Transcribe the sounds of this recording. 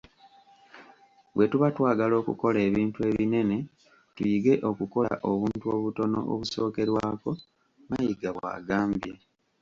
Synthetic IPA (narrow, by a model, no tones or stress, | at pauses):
βwe̞tuβatwaːɡalo̞ːkṵko̞le̞ːβiːntue̞ːβine̞ne̞ | tujiɡe̞ʔo̞kuko̞a̰ʔo̞βuːntuo̞ːβuto̞no̞̰ʔo̰βuso̞ːke̞ɾwaːko̞ | majiɡaβwa̰ːɡaːmbje